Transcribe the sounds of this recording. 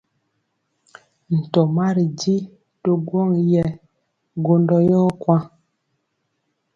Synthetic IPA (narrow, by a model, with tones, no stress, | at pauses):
n̩˨tɔ˨ma˦ɾi˨di˦ | to˦ɡwɔ˦ŋjɛ˦ | ɡo˦ndɔ˦jɔ˦kwa˦